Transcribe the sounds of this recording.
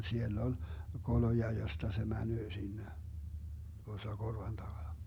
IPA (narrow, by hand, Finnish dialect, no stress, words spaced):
sielː on̞ kolojɑ jostɑ se mænøː sinːe tuosːɑ korʋɑn tɑɡ̊ɑnɑ